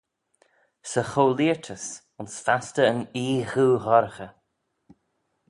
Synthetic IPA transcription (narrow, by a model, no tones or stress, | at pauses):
səxoːliəɹtʰəs | ʊnsfastəːniːxuːɣɔɾəxə